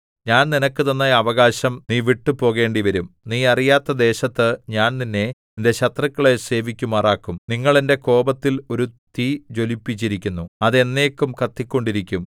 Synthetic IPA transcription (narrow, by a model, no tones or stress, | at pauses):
ɲaːnninɐkːɨt̪ɐnːɐɐʋɐɣaːɕɐmniːʋiʈːɨpo̞ːɣe̞ːɳɖiʋɐɾumniːɐrijaːt̪ːɐd̪e̞ːɕɐt̪ːɨɲaːnninːe̞ninde̞ɕɐt̪rɐkːɐɭe̞se̞ːʋikʲːumaːraːkːumniŋːɐɭende̞ko̞ːbɐt̪ːilo̞ɾut̪iːd͡ʑo̞lipːit͡ɕːiɾikʲːunːuɐðe̞nːe̞ːkːumkɐt̪ːikʲːo̞ɳɖiɾikʲːum